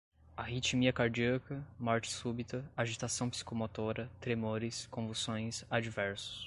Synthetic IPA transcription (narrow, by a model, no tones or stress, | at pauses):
aɦit͡ʃimiɐkaɾd͡ʒiɐkɐmɔɾt͡ʃɪ̥subit̪ɐaʒit̪asɐ̃w̃psi̥komot̪oɾɐt̪ɾemoɾɪskõvusõj̃sad͡ʒivɛɾsʊ̥s